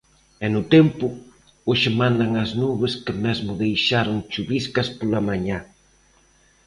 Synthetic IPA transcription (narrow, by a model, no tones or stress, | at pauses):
ɛnʊt̪ɛmpʊ | oʃɪmãnd̪ɐŋɐznuβɪskɪmezmʊðejʃaɾʊŋt͡ʃuβiskɐspolɐmaɲa